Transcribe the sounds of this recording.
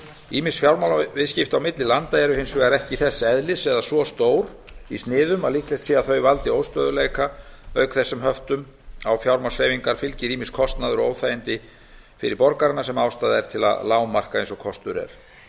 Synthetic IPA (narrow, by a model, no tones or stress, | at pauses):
iːmɪnsfjawɾmawlvɪðscɪft̪awmɪt̪lɪlant̪aɛɾʏhɪnsvɛːɣaɾɛhcɪθɛsːɛðlɪsɛðasvɔst̪oːwɾ | ist̪nɪːðʏmaliklest̪siːaθœɥvalt̪ɪoːwst̪œːðʏleːjkaœɥkθɛsːʏmhœft̪ʏm | awfjawɾmawsejviŋkaɾ̥fɪlcɪɾiminskʰɔst̪naðʏɾɔoːwθaːjɪnt̪ɪ | fɪɾɪɾpɔɾkaɾɪnːasɛmawst̪aːðaɛɾ̥t̪ʰɪla̰ðlaːwmar̥kaẽnsɔkʰɔst̪ʏɾɛ̰ɾ̥